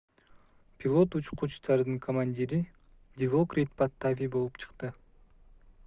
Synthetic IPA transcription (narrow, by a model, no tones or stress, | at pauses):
pʲilˠo̞t̪ut͡ʃqut͡ʃt̪ɑɾd̪ɯŋkʰomanʲdʲiɾi | d̪ʲilˠokɾʲit̪̚pat̪ːavʲijbo̞lˠupt͡ʃʰɯ̥qt̪ɯ